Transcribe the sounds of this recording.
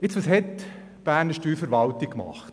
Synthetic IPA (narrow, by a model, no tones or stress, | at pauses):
ɪt͡sʋɑsɦɛt̪ | b̥æːɾnəʃtyːfəɾʋɑlt̪ikkːmɑ̰χt